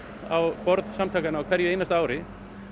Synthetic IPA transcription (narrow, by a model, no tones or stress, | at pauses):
awpɔɾðsamt̪ʰaːkanawkʰvɛɾjʏeːjnast̪aːwɾɪ